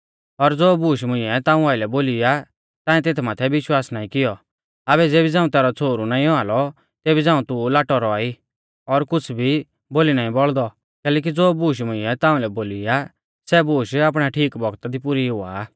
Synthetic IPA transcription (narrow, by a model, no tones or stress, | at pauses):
ɔɾd͡zoːbuːʃ̬mʊ̃ɪ̃ɛt̪ãːũaːɪlɛboːlɪja | t̪ãːɛ̃t̪eːt̪ʰmaːt̪ʰɛʋɪʃwaːsnaːĩkɪjɔ | abɛd͡zeːbid͡zãːũt̪ɛːɾɔt͡sʰoːɾunaːĩɔalɔ | t̪eːbid͡zãːũt̪ulaːʈɔɾɔaːi | ɔɾkʊt͡sʰbʱi | boːlinaːĩbɔɭd̪ɔ | kɛːlɛːk̬id͡zoːbuːʃ̬mʊ̃ɪ̃ɛt̪ãːũlɛboːlɪja | sɛbuːʃaːp̬ɽ̃aʈʰiːkbɔɡt̪ad̪ipʊɾiɦʊa̰